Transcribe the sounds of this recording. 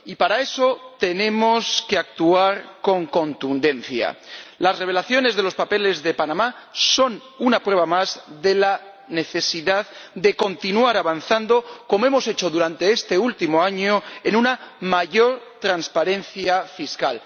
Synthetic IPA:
ipaɾae̞so̞t̪e̞nẽ̞mo̞ske̞ak̚t̪uaɾko̞ŋko̞nt̪und̪e̞nθja̰lasre̞β̞e̞laθjo̞ne̞zðe̞lo̞spape̞le̞zðe̞panamaso̞n | unapwe̞βamazðe̞la | ne̞θe̞siðaðd̪e̞ko̞nt̪inuaɾaβan̟θand̪o̞ko̞moe̞mo̞se̞t͡ʃo̞ðuɾant̪e̞est̪e̞ult̪imoaɲo̞enunamaʝo̞ɾt̪ɾanspaɾẽ̞nθjafiska̰l

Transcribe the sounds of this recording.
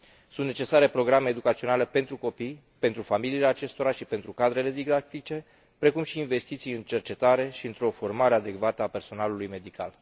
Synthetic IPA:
sunt̪ne̞t͡ʃe̞saɾe̞pɾo̞ɡɾameːd̪ukat̪sio̞nale̞pe̞nt̪ɾuko̞pij | pe̞nt̪ɾufamiliːleat͡ʃe̞st̪o̞ɾaʃipe̞nt̪ɾukad̪ɾe̞le̞d̪iɡd̪akt̪it͡ʃe̞ | pɾe̞kumʃiːnve̞st̪it̪sijɨnt͡ʃe̞rt͡ʃe̞t̪aɾe̞ʃiɨnt̪ɾo̞fo̞rmaɾead̪e̞kvat̪əape̞rso̞nalulujme̞d̪ika̰l

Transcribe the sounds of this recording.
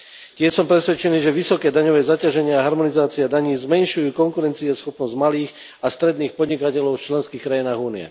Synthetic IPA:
cɪɛʃsɔmpɾɛsʋɛt͡ʃɛniːʒɛʋisɔkɛːd̪aɲɔʋɛːzacaʒɛɲɪaːɦaɾmɔnizaːt͡siad̪aɲiːzmɛnʃujuːkɔŋkuɾɛnt͡siɛsxɔpnɔzɟmaliːx | ast̪ɾɛd̪niːxpɔd̪ɲikacɛlɔʊft͡ʃlɛnskiːxkɾajinaːɣuːniɛ̰

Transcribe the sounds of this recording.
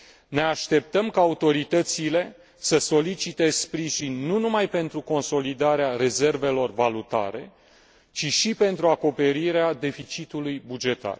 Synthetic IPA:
ne̞aʃt̪e̞p̚t̪əmkaːut̪o̞ɾit̪ət̪sile̞ | səso̞lit͡ʃit̪e̞spɾiʒinʲːunumajpe̞nt̪ɾuko̞nso̞lid̪aɾeaɾe̞ze̞rve̞lo̞rvalut̪a̰ɾe̞̰ | t͡ʃiʃipe̞nt̪ɾuako̞pe̞ɾiɾead̪e̞fit͡ʃit̪ulujbud͡ʒe̞t̪a̰r

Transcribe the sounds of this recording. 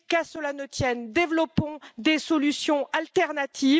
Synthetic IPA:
kasəlanət̪jɛnd̪evlɔpɔ̃d̪esɔlysjɔ̃alt̪ɛʁnat̪ʰiv

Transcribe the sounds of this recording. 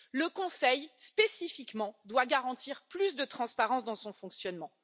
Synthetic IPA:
ləkɔ̃sɛjspesifikmɑ̃d̪waɡaʁɑ̃t̪iʁplysd̪ət̪χɑ̃spaʁɑ̃sd̪ɑ̃sɔ̃fɔ̃ksjɔnmɑ̃

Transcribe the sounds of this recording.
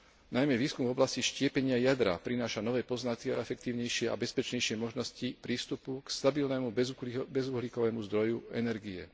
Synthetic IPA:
najmɛʋiːskumvɔblasciʃcɪɛpɛɲɪajad̪ɾa̰pɾinaːʃanɔʋɛːpɔznat̪kiaɛfɛk̚t̪iːʊɲɛjʃɪɛʔa̰bɛspɛt͡ʃɲɛjʃɪɛmɔʒnɔscipɾiːst̪upukst̪abilnɛːmubɛzuɦlikɔʋɛːmuzd̪ɾɔjuɛnɛɾɡiɛ̰

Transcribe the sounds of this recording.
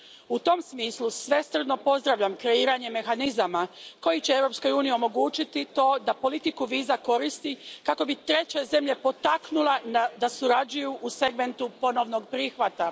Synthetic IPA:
ut̪o̞msmiːslˠusʋe̞st̪r̩d̪no̞po̞zd̪ɾaʋʎamkɾe̞iːɾaɲe̞me̞xanizamako̞jit͡ɕeeʋɾo̞psko̞juːnijio̞mo̞ɡuːt͡ɕit̪it̪o̞ːd̪apo̞lit̪ikuʋiːzako̞ɾist̪ikako̞bit̪ɾe̞t͡ɕeze̞mʎe̞po̞t̪aknulenad̪asuɾad͡ʑujuʔuse̞ɡme̞nt̪upo̞no̞ʋno̞ɡpɾiːxʋat̪a

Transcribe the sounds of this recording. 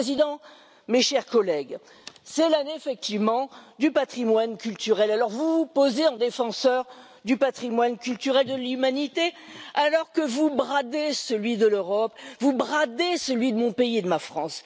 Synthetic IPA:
ezid̪ɑ̃ | meʃɛʁkɔlɛɡ | sɛlaneefɛk̚t̪ivmɑ̃d̪ypat̪χimwankʲylt̪yʁɛlalɔʁvupozeɑ̃d̪efɑ̃sœʁ | d̪ypat̪χimwankʲylt̪yʁɛld̪əlymanit̪ealɔʁkəvubʁad̪esəlɥid̪əløʁɔpvubʁad̪esəlɥid̪əmɔ̃peied̪əmafχɑ̃s

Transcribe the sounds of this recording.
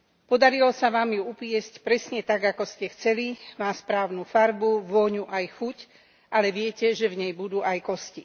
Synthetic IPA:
pɔd̪aɾilɔsaʋaːmjuupɪɛscpɾɛsɲɛt̪aɡakɔscɛxt͡sɛlimaːspɾaːʊnufaɾbuʋɔɲuʔajxuc | ʔalɛʋɪɛcɛʒɛvɲɛjbud̪uːʔajkɔsci

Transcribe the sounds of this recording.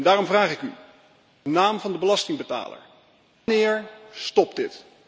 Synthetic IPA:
ndaːrɔmvraːχɪky | ənaːmvɑndəbəlɑstɪŋbəta̰ːlə̰ɹ | nɪːɹstɔp̚dɪt

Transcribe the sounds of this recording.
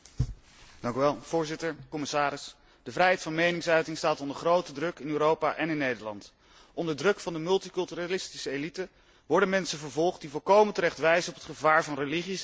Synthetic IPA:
d̥ɑŋkyʋɛlˠv̥ʊːɹzɪtəɹkɔmɪsaːɾɪs | d̥əvrɛjɦɛjtfɑnmejnɪŋsœɥtɪŋstaːtɔndəɹχrowtədrɵkɪnyːɾowpaʔɛnɪnːejdəɹlɑ̰nt | ʔɔndəɹdrɵkfɑndəmɵlˠtikɵlˠtyralɪstisəejlitə | ʋɔɹdənmɛnsəvəɹvɔlˠχt̚divɔlˠkowməntəɾɛχtʋɛjzənɔpətχəvaːɹvɑnrəliχis

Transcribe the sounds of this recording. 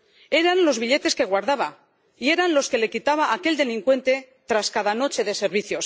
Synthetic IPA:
e̞ɾanlo̞zβiʎe̞t̪e̞skeɣ̞waɾðaβa | ie̞ɾanlo̞ske̞le̞kit̪aβ̞aʔːke̞ld̪e̞liŋkwe̞nt̪e̞ | t̪ɾaskaðano̞t͡ʃe̞ðe̞se̞ɾβiθjo̞s

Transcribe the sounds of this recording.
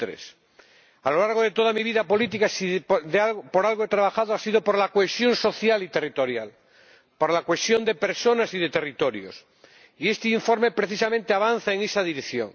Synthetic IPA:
ɾḛs | alo̞laɾɣoð̞e̞t̪o̞ð̞amiβiðapo̞lit̪̬ikasiðapoɾalɣoet̪ɾaβ̞axaðoasið̞o̞po̞ɾlakoesjo̞nso̞θjalit̪e̞rit̪o̞ɾjal | poɾlakwe̞sjo̞nd̪e̞pe̞ɾso̞nasiðe̞t̪e̞rit̪o̞ɾjo̰s | ie̞st̪eiɱfo̞ɾme̞pɾe̞θisamẽnt̪eaβan̟θaeŋesaðiɾekθjo̰ŋ

